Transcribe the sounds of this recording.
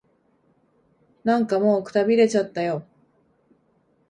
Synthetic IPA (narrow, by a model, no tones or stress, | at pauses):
nãŋkamo̞ːkɯ̟̥t̪abʲiɾe̞t͡ɕat̪ːajo̞